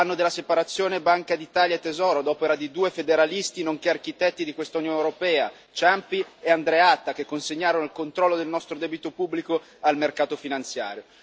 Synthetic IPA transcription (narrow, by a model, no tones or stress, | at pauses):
anːod̪elːasepaɾat̪sːjoːnebaŋkad̪it̪aːljaet̪ːezɔːɾod̪ɔːpeɾad̪id̪uːefed̪eɾalist̪inoŋkearkit̪ɛt̪ːid̪ikwest̪aunjoːnewɾopɛːa | t͡ʃampieand̪ɾeat̪ːakekːonseɲːaːɾonoilkont̪ɾɔlːod̪elnɔst̪ɾod̪ɛːbit̪opubːliko | almerkaːt̪ofinant̪sja̰ːɾjo